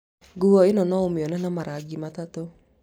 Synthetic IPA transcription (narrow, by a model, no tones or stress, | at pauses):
ɡuɔinɔnɔomeɔnɛnamaɾaɡimatato